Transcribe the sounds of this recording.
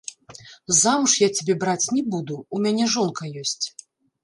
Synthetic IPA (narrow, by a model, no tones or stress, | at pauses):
zamuʂjat͡sʲabʲɛbɾat͡sʲnʲɛbud̪uumʲanʲɛʐɔnkɐjɔsʲt͡sʲ